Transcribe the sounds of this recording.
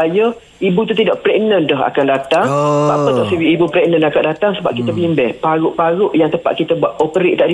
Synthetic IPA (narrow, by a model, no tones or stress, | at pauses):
ajə | ibut̪ut̪idaʔpɾɛʔnəndɔɦa̰kandat̪aŋpaʔpət̪ɔsəwiibupɾɛʔnənakaʔ̚dat̪aŋsəba̰p̚kit̪əbimbɛhpaɾʊʔpaɾʊʔjaŋt̪əpa̰ʔ̪̚kit̪əbuat̪opəɾeʔt̪aʔdi